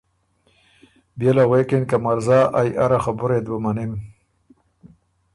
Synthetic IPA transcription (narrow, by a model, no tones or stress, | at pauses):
bjelaɣwekenkamaɾzaːʔajʔaɾaxabʊɾed̪wamanem